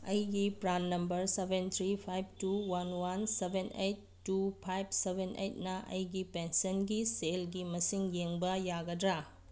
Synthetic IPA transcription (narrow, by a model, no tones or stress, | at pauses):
ɐjɡipɾanːɐmbɐɾsebʱent̪ʰɾipʰajb̚tuwanwansebʱenejtːupʰajb̚ʱsebʱenʔḛjt̚nɐʔɐ̰jɡipensɐnɡiselɡimɐsiŋjeŋbɐjaɡɐdɾa